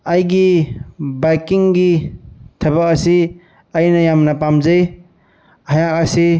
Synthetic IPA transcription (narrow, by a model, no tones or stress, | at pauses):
ɐjɡi | bajkiŋɡitʰɐbak̚ɐsi | ɐjnɐjamnɐpamzɐj | hajak̚ɐsi